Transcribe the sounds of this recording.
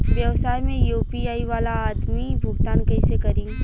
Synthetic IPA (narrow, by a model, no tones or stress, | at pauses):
ʋjɐʋsaːjmẽjuːpiaːiʋaːlaːd̪mibʱʊɡt̪aːnkɐɪsekɐɾiːũ